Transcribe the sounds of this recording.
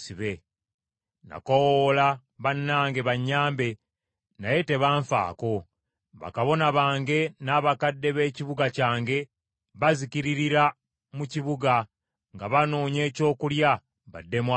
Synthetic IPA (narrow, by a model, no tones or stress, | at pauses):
siβe | na̰kowola | βanːaːŋɡe̞βaɲːaːmbe̞ | naje̞te̞βaːɱfa̰ːko̞ | βa̰kaβo̞naβaːŋɡe̞naβakadːe̞βe̞ːciβuɡacaːŋɡe̞ | βazikiɾiɾiɾa | muciβuɡa | ŋɡaβano̞ːɲe̞ːco̞ːkulja | βa̰dːe̞mwa